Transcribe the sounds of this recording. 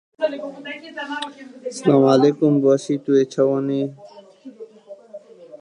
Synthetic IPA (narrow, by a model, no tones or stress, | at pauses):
slaːmaːleːkumbasit̪uet͡ɕʰɐwɐni